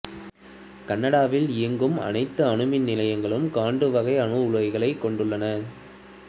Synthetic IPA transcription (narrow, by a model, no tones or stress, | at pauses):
kɐnːɐɽaːʋɪliŋɡɯmɐ̰nɐɪt̪ːɯɐɳɯmɪnːɪlɐjɐŋɡɐɭɯmkaːɳɖɯʋɐɣɐɪɐɳɯʊɻʋɐɪɣɐɭɐɪkːɔɳɖɯɭːɐnɐ